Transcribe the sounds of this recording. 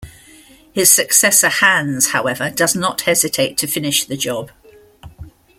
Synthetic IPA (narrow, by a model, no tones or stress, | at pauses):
hɪz̥səksɛsə̥hãnz̥haʊɛvədʌznəthɛzɪtʰeɪtʰəfɪnɪʃðəd͡ʒɒb̥